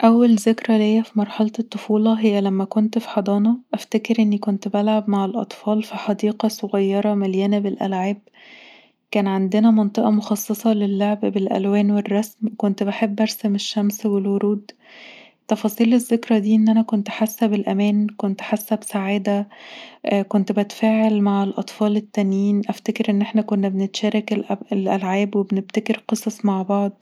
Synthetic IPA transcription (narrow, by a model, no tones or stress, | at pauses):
ʔæwːælzekɾælejːæfimɑɾˤħɑlt̪et̪ˤːofuːlɑɦejːælæmːækont̪fi̥ħɑd̪ˤɑːnɑʔæft̪ækeɾʔenːikont̪bælʕabmaʕelʔɑ̰t̪ˤfɑːlfiħɑd̪iːqɑsˤoɣɑjːɑɾˤɑmæljæːnæbelʔæ̰lʕaːb̚ | kæːnʕand̪enæmɑnt̪ˤeʔɑmoxɑsˤːesˤɑlelːoʕbbelʔæ̰lwæːnwerˤːɑsmkont̪baħebːʔɑɾˤsæmeʃːæmswelwoɾuːd̪ | t̪ːɑfɑːsˤiːlezːekɾɑd̪iːʔenːʔænækont̪ħasːæbelʔæmæːnkont̪ħasːæbsaʕaːd̪æ | kont̪bæt̪fæːʕelmaʕelʔɑt̪ˤfɑːlet̪ːænjiːnʔæft̪ækeɾʔenːʔeħnækonːæbenet̪ʃæːɾˤɑklelʔælʕaːbwebnebt̪ækeɾqɨsˤɑsˤmaʕbɑʕd̪ˤ